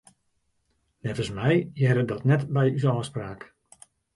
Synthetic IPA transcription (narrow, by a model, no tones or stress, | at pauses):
nɛvəsmɛjjɛɾədɔtnɛtbɛjysɔːspraːk